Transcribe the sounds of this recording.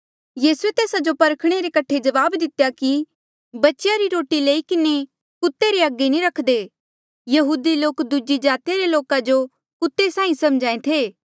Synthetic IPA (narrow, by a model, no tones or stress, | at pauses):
jiːsuet̪eːsad͡ʒopɐɾkʰɽ̃eɾekɐʈʰːed͡ʒɐʋaːbd̪ɪt̪ejaki | bɐtːʃjaɾiɾoːʈileːikɪne | kʊt̪ːeɾeɐɡːenĩɾɐkʰd̪eː | jɐɦuːd̪iloːkd̪ud͡ʒid͡ʒaːt̪ijaɾeloːkad͡ʒo | kʊt̪ːesãːĩsɐmd͡ʒaːẽt̪ʰeː